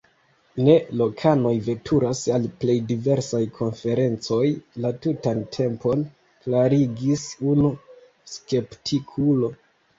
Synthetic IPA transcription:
ne̞lo̞kʰano̞jve̞tʰuɾasalple̞jdive̞ɾsajkʰo̞nfe̞ɾe̞nt͡so̞jlatutantʰe̞mpo̞n | klaɾiɡisunu | ske̞ptʰikʰulo̞

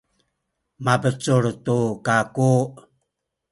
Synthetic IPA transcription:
mabət͡suɾtukaku

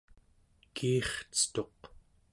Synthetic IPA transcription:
kʰiːχt͡sə̥t̪o̞q

